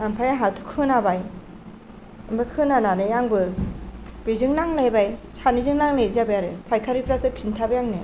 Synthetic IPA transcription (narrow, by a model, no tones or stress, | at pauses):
ampʰajaɦatʰu̥kʰɯnabaj | ɯmbɯkʰɯnananɯjaŋbɯ | bizɯŋnaŋlajbajsanizɯŋnaŋlɯjzabɯjaɾɯpʰajkʰaɾipʰɾatɯkʰintʰabɯjaŋne